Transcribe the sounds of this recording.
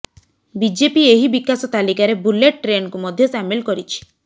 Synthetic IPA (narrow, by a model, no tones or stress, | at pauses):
bid͡ʒepieɦibikasɔt̪alikaɾebuleʈ̚ʈɾenɔkumɔd̪ʱjɔsamilkɔɾit͡ʃʰi̥